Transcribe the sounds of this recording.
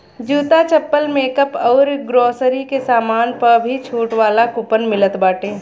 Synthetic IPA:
d͡ʒuːt̪at͡ʃəpːəlmeːkəpɔːɾɡɾoːsəɾikesaːmaːnpɐɾbʱit͡ʃʰuːʈʋaːlakʊpənmɪlət̪baːʈẽː

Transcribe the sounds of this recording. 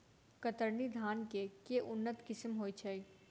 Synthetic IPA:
kət̪əɾnid̪ʱaːnkekeʔʊnːət̪kɪsmɦoːit͡ʃʰɐi

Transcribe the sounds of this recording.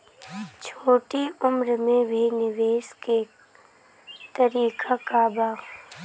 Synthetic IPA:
t͡ʃʰoːʈiʊmɾmẽbʱinɪʋeːske | t̪əɾiːkʰakaːbaː

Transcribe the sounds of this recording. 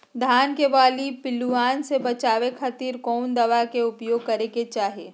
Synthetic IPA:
d̪ʱaːnkeʋaːlipɪlːuaːnsebɐt͡ʃaːʋekʰɐt̪iːɾkɔːnd̪ɐʋakeʊpjoːɡ̚kɐɾeket͡ʃaːɦieː

